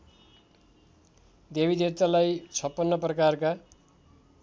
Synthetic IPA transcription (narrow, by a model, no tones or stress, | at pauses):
d̪ebid̪et̪alajt͡sʰʌpːʌnːʌprʌkarka